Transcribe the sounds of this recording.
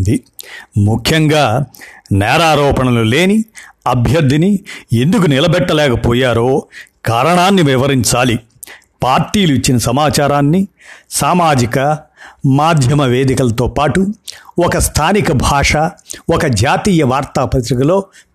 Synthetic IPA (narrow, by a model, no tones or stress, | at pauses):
d̪imukʰjɐŋɡaːnɛːɾaːɾɔːpɐɳɐlule̞ːniɐbʱjɐɾd̪ʱinie̞nd̪uk̬unilɐbɛʈːɐlɛːkɐpoːjaːɾoːkaːɾɐɳaːnːiʋiʋɐɾiɲt͡ʃaːli | paːɾʈːiːluit͡ʃːinɐsɐmaːt͡ʃaːɾaːnːisaːmaːd͡ʒikɐmaːd̪ʱjɐmɐʋe̞ːd̪ikɐlɐt̪o̞ːpaːʈuɔkɐst̪ʰaːnikɐbʱaːʂɐɔkɐd͡ʒaːt̪iːjɐʋaːɾt̪aːpɐɾɐt̪̬ɾikɐlo̞ː